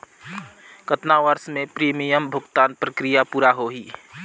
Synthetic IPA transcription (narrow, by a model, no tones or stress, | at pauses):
kət̪naʋəɾsmẽpɾiːmijəmbʱʊɡt̪aːnpɾəkɾijapuːɾaɦoɦiː